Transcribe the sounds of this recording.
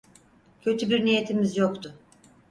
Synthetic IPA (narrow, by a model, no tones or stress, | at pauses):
cʰø̞t̪ʰybiɾnije̞t̪ʰimizjo̞kt̪ʰʊ